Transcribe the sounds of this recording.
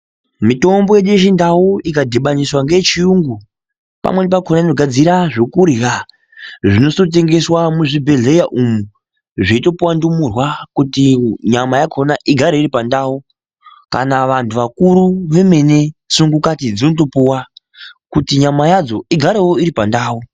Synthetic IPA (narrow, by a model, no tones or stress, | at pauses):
mito̞mbo̞jeɗuet͡ʃindauikadʱeɓaɲiswaŋɡe̞t͡ʃijuŋɡu | pa̰mwe̞nep̬akʰonaino̞ɡʱad͡ziɾaʐokuɾika | ʐino̞so̞t̬e̞ŋɡe̞swamuʐibʱe̞ɮe̞jaʔumu | ʐiito̞puwandumurwakutiɲamajakʰo̞naʔiɡʱaɾeiɾipandaːu | ka̰naʋantʰuʋakuɾuʋemene̞suŋɡukat̬id͡zinot̬o̞puwa | kutiɲamajad͡zo̞iɡʱaɾewoiɾipandaːwu